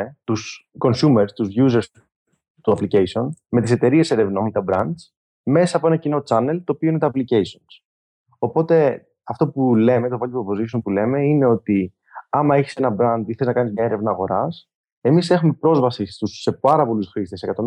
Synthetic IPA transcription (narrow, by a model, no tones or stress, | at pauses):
et̪usko̞nsumeɾst̪uzʝuze̞ɾs | t̪uɐpliceisio̞nme̞t̪ise̞t̪e̞ɾie̞seɾe̞vno̞nt̪ɐbɾɐnd̪d͡z | me̞sɐːpo̞e̞nɐcino̞t͡sɐne̞lt̪o̞ːpioinet̪ɐːplice̞isio̞ns | o̞po̞t̪e̞ | ɐft̪o̞pule̞met̪ovɐloppozisumpule̞me̞ine̞o̞t̪i | ɐmɐe̞çi̥se̞nɐbɾɐnd̪iθeeznɐkɐnizmɲɐe̞ɾe̞vnɐːɣo̞ɾɐs | e̞mise̞xume̞pɾo̞zvɐsist̪usːe̞pɐɾɐpo̞lusxɾist̪e̞sekɐt̪o̞